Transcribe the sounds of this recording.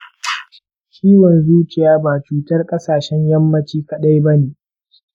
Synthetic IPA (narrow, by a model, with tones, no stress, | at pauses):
kʰʲiː˦wɔ˨nzuː˦kʲʼɪ˨jaː˦baː˨t͡ʃuː˦tɐ˦rkʼɐ˦saː˨ʃɛ˦ɲjɐ˦mːɐ˦t͡ʃiː˦kɐ˨ɗa˦jbɐ˦neː˨